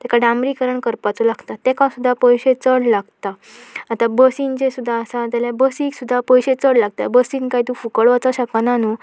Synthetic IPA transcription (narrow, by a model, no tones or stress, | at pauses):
t̪akaɽamɾikəɾəɳkəɾpat͡sɔlaɡt̪at̪ekãsud̪ʱːapəjɕet͡səɽlaɡt̪aː | t̪abəsind͡ʑesud̪ʱːaəsat̪jaljabəsiːksud̪ʱːapəjɕet͡səɽlaɡ̚t̪a̰bəsiːnkaɦit̪ũfukəɭʋat͡saɕəkananu